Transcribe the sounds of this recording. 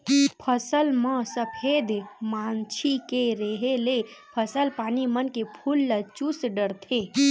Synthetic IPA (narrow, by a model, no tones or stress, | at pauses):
pʰəsəlmə̃səpʰeːd̪ʱmaːnt͡ʃʰikeɾeɦelepʰəsəlpaːnimənkepʰuːlːət͡ʃusɖəɾt̪ʰeː